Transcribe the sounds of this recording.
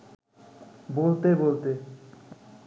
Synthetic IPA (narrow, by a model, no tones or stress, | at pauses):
bolt̪ebolt̪e